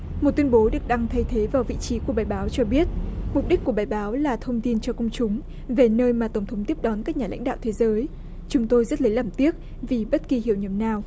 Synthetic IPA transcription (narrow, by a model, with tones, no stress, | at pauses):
mo˨˩t̚t̪wi˧ə˧nɓo˨˦ɗɨ˨˩ək̚ɗa˧ŋt̪ʰə˧jt̪ʰe˨˦vaː˨˩wvḭ˧˨t͡ɕi˨˦ku˧˩əɓaː˨˩jɓaː˨˦wt͡ɕɔ˧ɓi˦˥ət̚mʊ˨˩k͡p̚ɗï˦˥k̟kːu˧˩əɓaː˨˩jɓaː˨˦wlaː˨˩t̪ʰə˧wŋ͡mt̪i˧nt͡ɕɔ˧kə˧wŋ͡mt͡ɕʊ˨˦ŋ͡m | ve˨˩nəː˧jmaː˨˩t̪ə˧˩wŋ͡mt̪ʰə˨˦ŋ͡mt̪i˦˥əp̚ɗɔ˨˦nkaː˦˥k̚ɲaː˨˩la̰˧˥jŋ̟ɗa̰ː˧˨t̪ʰe˨˦zəː˨˦j | t͡ɕʊ˨˦ŋ͡mt̪o˧jzə˦˥t̚lə˨˦laː˧˨˩mt̪i˦˥ət̚ | vi˨˩ɓə˦˥t̚ki˨˩hi˧˨wɲə˨˩mnaː˨˩w